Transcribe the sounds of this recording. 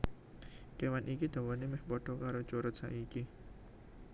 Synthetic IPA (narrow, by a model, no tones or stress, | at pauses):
kewanʔikid̪̥a̤wanemɛhpɔɖ̥ɔkaɾot͡ʃuɾʊt̪̚sa̰ʔiki